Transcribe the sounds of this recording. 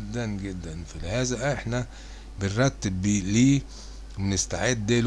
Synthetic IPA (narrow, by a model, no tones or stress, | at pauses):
d̪ːænɡed̪ːænfilehæːzæʔeħnæ | benɾˤɑt̪ːebiliː | wenest̪aʕed̪ːæːl